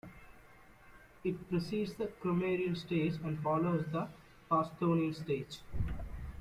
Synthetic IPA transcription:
ɪʈ̚pɾəsiːɖsd̪əkɾomeːɾiə̃nsʈeːd͡ʒæ̃ɳɖfɔːloːzd̪ə | paːsʈoːniə̃nsʈeːd͡ʒ

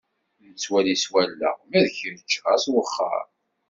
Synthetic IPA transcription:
nət͡sːwæliswælːə̰ʁmæðçəɾt͡ʃːæswəχːə̰ɾ

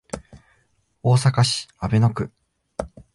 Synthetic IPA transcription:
o̞ːsakaɕi̥abe̞no̞kɯ̟

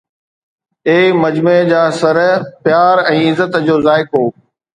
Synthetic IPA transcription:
eːmɐd͡ʑmed͡ʑaːsɐɾpjaːɾɛ̃ːɪzət̪d͡ʑoːzaːɪkoː

